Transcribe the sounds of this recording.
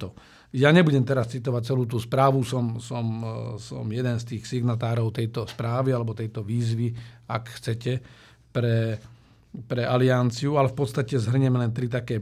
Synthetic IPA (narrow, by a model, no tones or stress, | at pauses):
t̪ɔ | jaɲɛbuɟɛmt̪ɛɾast͡sit̪ɔʋac̚t͡sɛluːt̪uːspɾaːʋusɔmsɔmsɔ̰mjɛd̪ɛnst̪iːxsiɡnat̪aːɾɔʊt̪ɛjt̪ɔspɾaːʋialɛbɔt̪ɛjt̪ɔʋiːzʋia̰kxt͡sɛcɛ | pɾɛ | pɾɛaliant͡siualɛfpɔt̪st̪acɛzɦr̩ɲɛmlɛnt̪ɾit̪̬akɛː